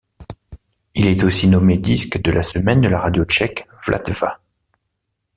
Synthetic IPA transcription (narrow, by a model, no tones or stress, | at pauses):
ilɛt̪osinɔmed̪iskd̪əlasəmɛnd̪əlaʁad̪jot͡ʃɛkvlʔa̰t̪va